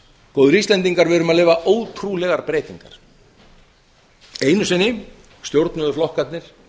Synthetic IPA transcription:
koːwðʏɾist̪lɛnt̪iŋkaɾvɛɾʏmaðleːvaʔoːwt̪ʰɾulɛɣaɾpɾeːjt̪iŋkaɾ̥ | eːjnʏsɛnːɪ | st̪jowɾt̪nʏðʏflɔhkat̪nɪɾ̥

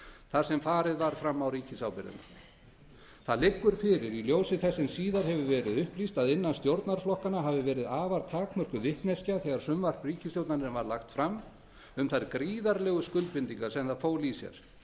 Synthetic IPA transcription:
θaðsɛmfaːɾɪðvaɾ̥fɾamːawɾiːcɪsawpɪɾɪ̰nʏ̰ | θaðlɪkːʏɾ̥fɪɾɪɾiljoːwsɪθɛsːɛnsiːðaɾ̥hɛvʏvɛːɾɪðʏhplist̪aðɪnːanst̪jowɾt̪naɾ̥flɔhkanaɦaːvɪvɛːɾɪðaːvaɾt̪ʰaːkmœr̥kʏvɪht̪nɛscaθɛːɣaɾ̥sʏmvar̥priːcɪst̪jowt̪nanɛnvaɾlaxt̪fɾamː | ʏmθaɾkɾiːðaɾlɛɣʏskʏlt̪̚pɪnt̪iŋkaɾsɛmðaðfoːwlisjɛ̰ɾ̥

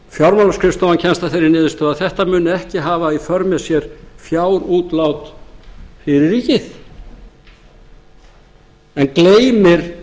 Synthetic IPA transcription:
fjawɾmanaskʰɾɪst̪ɔvancʰɛnst̪aθejɾɪɾnɪːðɪst̪œːðaðθɛht̪amʏːnɛhcɪɦaːvaifœɾmɛsjɛɾ̥fjaːwɾuːt̪lawt̪ | fɪɾɪɾɾiːcɪθ | ɛnkleːjmɪɾ̥

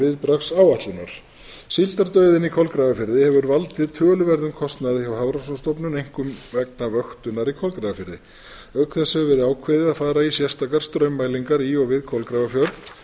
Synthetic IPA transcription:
ɪðpɾaxsawat̪lʏnaɾ̥ | silt̪aɾt̪œɥðɪnikʰɔlkɾaːvafɪɾðɪhɛvʏɾvalt̪ɪðt̪ʰœːlʏvɛɾðʏmkʰɔst̪naðɪɔwhavɾasɔnst̪ɔwpnʏnejŋ̥kʏmvɛknavœxt̪ʏnːaɾikʰɔlkɾavafɪɾðɪ | œɥkʰθɛsœvɛːɾɪaːwkʰvɛːðɪðaðfaːɾaisjɛrst̪akaɾ̥st̪ɾœɥmːajliŋkaɾiɔɣvɪðkʰɔlkɾavafjœɾð

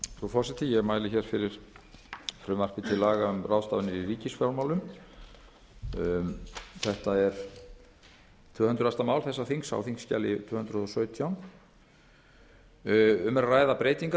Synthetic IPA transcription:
fɾufɔsɪt̪ʰɪjɛɣmaːjlɪçɛɾ̥fɪɾɪɾ̥ | fɾʏːmar̥pɪt̪ʰɪlːaːɣaʏmraːwst̪avʏnɪɾiriːcɪsfjawlmawlʏm | θɛht̪aɛɾ̥ | t̪ʰvʏːhʏnt̪ɾʏast̪amaːwlθɛsːaθiŋsa̰wθiŋsːca̰lɪ̰t̪ʰvʏːhʏnt̪ɾʏðɔsœːɥt̪ʰjawn | ʏmɛɾraːjðapɾeːjt̪iŋka

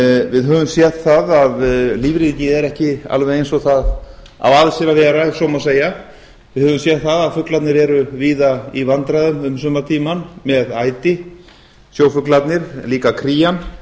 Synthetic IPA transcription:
vɪðɦœːvʏmsjɛθt̪θaðaðliːvɾiicɪɛɾɛhcɪa̰lvɛjejnsɔɣθað | a̰vaðsɛɾavɛːɾaɛsɔwmaseːja | vɪðhœːvʏmsjɛt̪θaðaðfʏklat̪nɪɾɛɾʏviːðaḭvant̪ɾajðʏmʏmsœmat̪ʰiːmanmɛðaːjt̪ɪ | sjoːwfʏklat̪nɪɾ̥liːkakʰɾiːjan

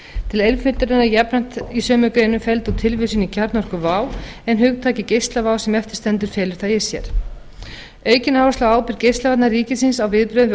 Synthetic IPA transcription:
t̪ʰɪlejlfɪlt̪ʏɾɪnajɛpnan̥t̪isœːmʏkɾejnʏmfɛlt̪ut̪ʰɪlvɪsʏnicʰaɾt̪nɔrkʏvaːwɛnɦʏɣt̪ʰaːcɪcejst̪lavaːwsɛmɛft̪ɪ̥st̪ɛnt̪ʏɾ̥fɛːlɪɾ̥θajɪ̥sjɛ̰ɾ̥ | œːɥcɪnaːwvaslaaːwpɪɾ̥cejst̪avat̪naɾriːcɪsɪnsawvɪðpɾœðv

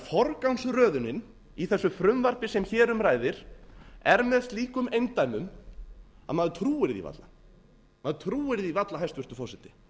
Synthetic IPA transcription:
fɔɾkawnsrœːðʏnɪn | iθɛsːʏfɾʏmvaɾpɪsɛmçɛːɾʏmraːjðɪɾ̥ɛɾmɛðst̪liːkʏmejnt̪ajmʏm | a̰ðmaðʏt̪ʰɾuːɪɾðḭva̰t̪la | maðʏt̪ʰɾuːɪɾðivat̪laɦajst̪vʏr̥t̪ʏfɔsɪt̪ɪ

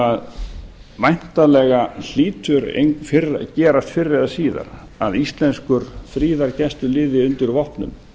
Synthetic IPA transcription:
að | vajn̥t̪alɛɣal̥iːt̪ʰʏɾḛŋfɪɾcɛːɾast̪fɪrːɪðasiːða̰ɾ | aðist̪lɛnskʏɾ̥fɾiːðaɾcɛst̪ʏlɪːðɪʏnt̪ɪɾvɔhpnʏ̰m

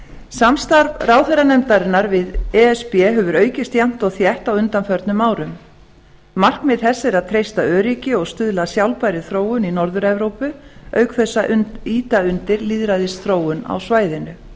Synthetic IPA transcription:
samst̪aɾvraːwθɛɾanɛmt̪aɾɪnːaɾvɪðɛɛspɛɦœvʏɾœːɥcɪst̪jam̥t̪ɔɣθjɛht̪awʏnt̪anfœɾt̪nʏmaːwɾʏm | mar̥kmɛðθɛsːɪɾaðt̪ʰɾejst̪aœːɾicɪɔɣst̪ʏðlasjawlpajɾɪθɾoːwʏninɔɾðʏɾɛvɾowpʏœːɥkʰθɛsːaiːt̪aʏnt̪ɪɾliːðɾaðɪsθɾoːwʏna̰wsvaːjðɪnʏ

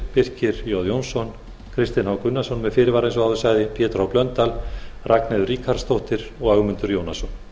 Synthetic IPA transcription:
pɪr̥cɪɾjoðjownsɔn | kʰɾɪst̪ɪnhawkʏnːasɔnmɛðfɪːɾɪvaːɾejns̬ɔɣaðʏsaːjðɪpʰjɛːt̪ɾawplœnt̪al | rʔakneðʏriːkʰaɾ̥st̪owht̪ɪɾɔɣœɣmʏnt̪ʏɾjownasɔn

